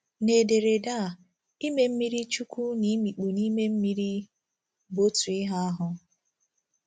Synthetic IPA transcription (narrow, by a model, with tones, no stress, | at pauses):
ne˨de˨ɾe˨da˦˨ | i˦me˨m̩˦mi˦ɾi˦t͡ʃu˦kʷu˦ni˦mi˨k͡pu˨ni˦me˦m̩˦mi˦ɾi˦ | bo˦tu˨ɪ˦ɦa˦a˦ɦʊ˦